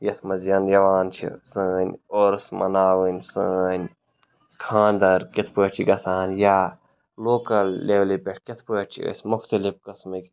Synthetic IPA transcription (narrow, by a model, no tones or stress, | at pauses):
jɐt̪ʰmɐzjɐnjɐʋaːnt͡ʃʰḭsəːnʲoːɾsmɐ̰naːwɨnʲsəːnʲ | kʰãːnd̪ɐɾkit̪ʰpəːt͡ʃʰiɡɐsaːnjaː | loːkɐlːeːʋlipʲeʈ̚ʰkʲit̪ʰpəːʈ̚t͡ʃʰḭə̰smʊxt̪ɐlifkɐsmɨk